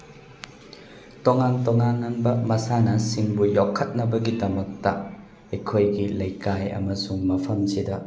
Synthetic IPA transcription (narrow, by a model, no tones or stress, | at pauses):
toŋantoŋanɐnbɐmɐsanɐsiŋbujokʰːɐt̚nɐbɐɡidɐmɐk̚tɐ | ɐjkʰojɡilɐjkajɐ̰mɐsuŋmɐpʰɐmsidɐ